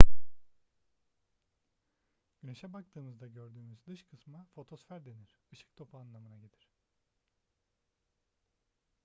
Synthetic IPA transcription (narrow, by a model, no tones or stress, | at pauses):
ɟ̥yne̞ʃɛbak̚t̪ʰɯːmɯzd̪aɟø̞ɾd̪yːmyzd̪ɯʃkʰɯsmafo̞t̪ʰo̞sfæɾd̪e̞niɾ̥ɯʃɯ̥k̚t̪ʰo̞pʰaaːnlˠamɯnaɟed̪ʲiɾ̝̥